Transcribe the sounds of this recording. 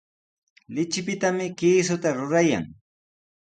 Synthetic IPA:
lɪt͡ʃɪpɪt̪amɪkiːsʊt̪aɾʊɾaja̰ŋ

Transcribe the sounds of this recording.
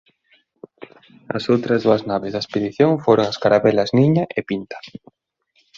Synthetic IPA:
ɐ̰sowt̪ɾɐzðuɐznaβezðaespeðiθjoŋfoɾoŋaskaɾaβɛlɐzniɲaʔepint̪ɐ̥

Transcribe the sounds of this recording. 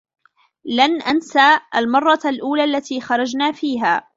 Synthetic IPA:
lanʔansaːʔalmɑrˤːɑlʔuːlaːʔlːat̪iːxɑɾˤɑd͡ʒnaːfiːɦaː

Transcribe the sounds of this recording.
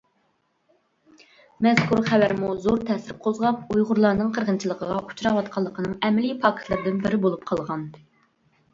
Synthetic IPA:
mɛz̥kʰuɾχɛvæɾmuzoɾt̪ʰɛsɪɾqʰozʁɑp̚ujʁʊɾlˠɑɾnɨŋqʰəɾʁənt͡ʃʰilˠəqʰəʁɑʔu̥t͡ʃɾɑwɑt̪̚qʰɑlˠːəqʰənɨŋɛmɪlipʰɑːkʰɪ̥t̪lˠɨɾd̪ɪnbɪɾɪbolˠup̚qʰɑlˠʁɑn

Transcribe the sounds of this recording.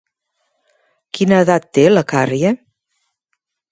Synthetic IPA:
kinəːðat̪ːeləkarjə

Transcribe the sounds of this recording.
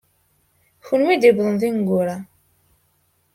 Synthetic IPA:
çʊnwid̪ibðˤənðinɡʷʊɾa

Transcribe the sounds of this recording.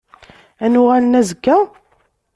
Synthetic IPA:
ænʊʁælənæzəɡːæ

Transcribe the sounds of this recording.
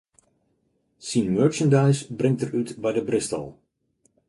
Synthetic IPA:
sinmøɹt͡ʃəndajsbrɪŋtərytbɛjdəbrɪstə̰lˠ

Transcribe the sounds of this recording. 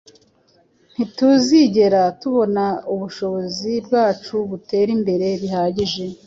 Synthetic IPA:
n̥ituziɟe̞ɾatuβo̞nauβuʃo̞βo̞zibɡaːt͡ʃuβute̞ːɾimbe̞ɾe̞βihaːɟiʒe̞

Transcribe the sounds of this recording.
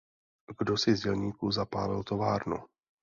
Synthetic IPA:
ɡdosɪzɟɛlɲiːkuzapaːlɪ̰lt̪o̞vaːɾnṵ

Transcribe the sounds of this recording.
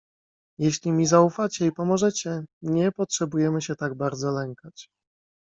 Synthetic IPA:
jeɕlʲimʲizaufat͡ɕɛipɔmɔʐɛt͡ɕɛɲɛpɔtʂɛbujɛmɘɕɛt̪aɡbaɾd̪zɔlɛŋkat͡ɕ

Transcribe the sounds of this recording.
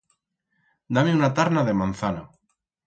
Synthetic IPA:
d̪ameunat̪aɾnaðe̞mãnθana

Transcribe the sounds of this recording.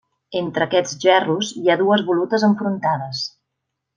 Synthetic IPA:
ent̪ɾəːkɛd͡zʒɛruziaðuəzβulut̪əzəɱfɾunt̪aðəs

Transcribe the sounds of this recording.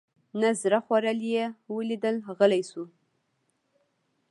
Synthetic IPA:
nazɾaxwaɾəljewəlid̪əlɣəlajsu

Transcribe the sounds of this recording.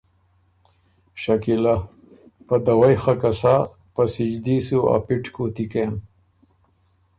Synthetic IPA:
ʃakila | pɐd̪awajxakasa | pɐsid͡ʒd̪isua̰piʈkot̪ikem

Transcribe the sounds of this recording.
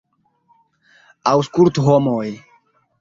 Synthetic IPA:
awskult̪homoj

